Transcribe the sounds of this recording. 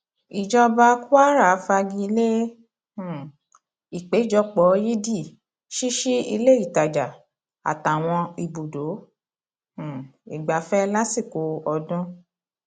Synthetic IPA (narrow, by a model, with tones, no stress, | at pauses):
i˨d͡ʒɔ˧ba˧˦ku˦a˦ɾa˨˦fa˧ɡĩ˧i˧le˦˨ | i˨k͡pe˨˦i˦˨d͡ʒɔ˧˦k͡pɔ˨˦ji˦di˦˨ | ʃi˦ʃi˦ḭ˧le˦i˦˨ta˨d͡ʒa˨ | a̰˨ta˨w̃ɔ̃˧i˨bo˨do˨˦˨ | i˨ɡ͡ba˨˦fɛ˦la˦si˦˨ko˨˦ɔ˧dɔ̃˦